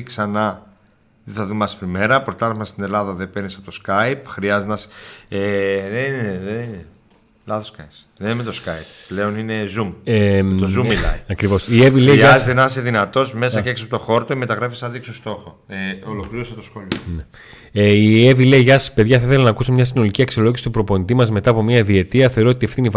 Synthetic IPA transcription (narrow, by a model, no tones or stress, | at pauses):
ksɐnɐ | ðeθɐðumɐspɾime̞ɾɐpɾot̪ɐlɐfmɐst̪ine̞lɐðɐðepeɾnisɐpot̪oskɐjpxɾiɐzet̪nɐseðeneðenine | lɐθoskɐjs | ðenimet̪o̞skɐjpple̞o̞nine̞zumt̪ozumilɐ̰ɐkɾivo̞sievileiiɐzet̪enɐseðinɐt̪o̞sme̞sɐceeksɐpot̪oxo̞ɾt̪oime̞t̪ɐɣɾɐfisɐðiksost̪o̞xoeolokliɾoset̪osxolione | eievile̞iʝɐspe̞ðʝɐθɐiθelɐnɐkusmɲɐs̬ino̞liciɐksio̞lo̞ʝisi̥t̪upɾo̞po̞nit̪imɐzme̞t̪ɐːpo̞miɐiðie̞t̪iɐθeɾoot̪iefθiniv